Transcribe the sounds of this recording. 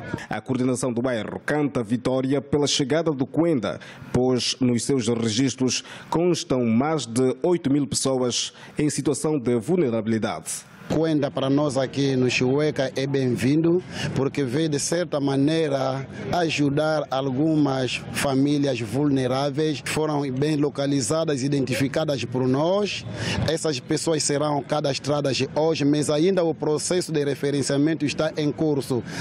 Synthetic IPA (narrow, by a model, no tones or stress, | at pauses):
ɐ̰kuɾd̪inɐsɐ̃w̃d̪ubajrṵkɐ̃nt̪ɐvit̪ɔɾiɐpelɐʃɨɣaðɐd̪ukwẽnd̪ɐ̰poʒnʊʃsewʃrɨʒiʃt̪ɾuʃkõʃt̪ɐ̃w̃maʒd̪ɨojt̪umilˠpɨ̥soɐz | ẽj̃sit̪uɐsɐ̃w̃d̪ɨvulˠneɾɐβiliða̰ðɨ | kwẽnd̪ɐpɐɾɐnɔzakinʊʃiɛkɐʔɛbẽj̃vĩnd̪upuɾkeved̪ɪsɛɾt̪ɐmanejɾɐaʒud̪aɾalɡũmɐsfamiljɐzvulneɾavejsfoɾɐ̃w̃bẽj̃lokalizad̪ɐzid̪ẽnt̪ifikad̪ɐʃpɔɾnɔʃɛsɐʃpesoɐsseɾɐ̃w̃kad̪ɐeʃt̪ɾad̪ɐzd̪ɪoʒɪmazaĩnd̪ɐupɾosɛsʊd̪ɪrefeɾẽnsiamẽnt̪ʊiʃt̪aʔẽŋkuɾsu